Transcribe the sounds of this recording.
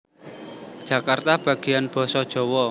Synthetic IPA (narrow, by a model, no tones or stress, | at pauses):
d̥ʒ̥a̤kart̪ab̥a̤ɡ̥ianb̥ɔ̤sɔd̥ʒ̥ɔ̤wɔ